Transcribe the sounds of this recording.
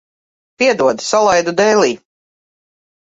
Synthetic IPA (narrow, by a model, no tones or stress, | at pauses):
piɛd̪uɔd̪salˠajd̪ud̪ɛːlʲˠiː